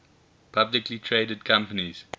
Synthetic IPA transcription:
pʰablɪklitʰɹeːdəd̚kʰãmpəniz̥

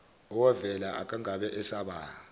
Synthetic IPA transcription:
ɔwavɛlaʔa̰k̬ʼaŋʱaɓɛʔɛsaɓaː

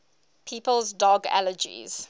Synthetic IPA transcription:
pʰiːpəlˠzdɔɡæ̰ləd͡ʒḭz̥

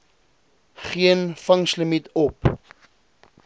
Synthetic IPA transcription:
χiənfɐŋsləmitɔp

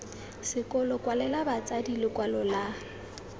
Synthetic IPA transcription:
sɪkʼɔlɔkʼwalɛlabat͡sʼadilɪkwalɔla

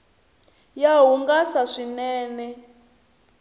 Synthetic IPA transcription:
jaɦuŋɡasaʂinɛːnɛ

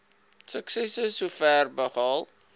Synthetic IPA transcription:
səksɛsəsufærbəχɑlˠ

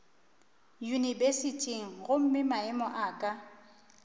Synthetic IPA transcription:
junibesitʼiŋ̩ɣʊm̩mɪmaɛmɔʔaːkʼa

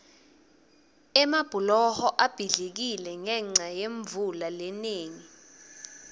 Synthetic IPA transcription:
ɛmab̥ʱulɔhɔʔab̥ʱiɮek̬ilɛŋɛŋ͡ǀajeɱvulaleneːŋi

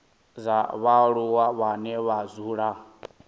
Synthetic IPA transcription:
zaβaɺuwaβanɛβazuːɺa

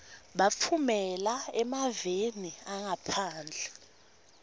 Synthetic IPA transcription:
ɓafʰumɛlaɛmaveniaŋapʰaːnd͡ɮʱɛ

